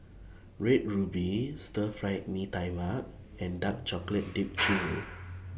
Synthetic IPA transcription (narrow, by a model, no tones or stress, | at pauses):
ɹet̚ɹubistəfɹajt̚mitajmak̚ | ɛ̃ndak̚t͡ʃɔklət̚dip̚t͡ʃiɹo